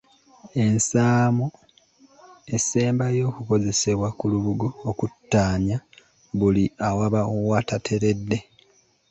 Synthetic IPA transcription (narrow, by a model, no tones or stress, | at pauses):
e̞nsaːmo | e̞seːmbajo̞ːkuko̞ze̞se̞βwakuluβuɡo̞ːkutːaːɲa | βuliawaβauwaːtatʰe̞ɾe̞dːe̞